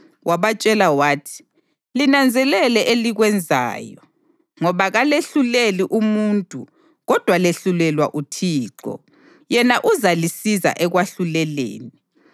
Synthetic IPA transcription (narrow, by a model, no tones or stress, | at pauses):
wʔaβat͡ʃʼɛlawaːtʰi̥ | linand͡zʱɛlɛlɛʔeliɣwɛnd͡zʱa̰ːjɔ | ŋɔβaɣaleɬuleliʔumuntʼṵ | ɣɔd̥ʱwaleɬulɛlwaʔutʰiːǀɔ̰ | jɛnaʔuzalisiza̰ʔɛɣwaɬulɛlḛːni